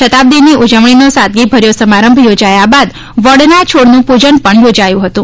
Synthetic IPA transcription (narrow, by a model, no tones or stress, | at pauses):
ʃət̪ab̚d̪inːiud͡ʒəʋɳinosat̪̚ɡibʱəɾjosəmaɾəmbʱjod͡ʒajabad̪ | ʋəɽnat͡ʃʰoɽnũpud͡ʒənpəɳjod͡ʒajũɦət̪ũ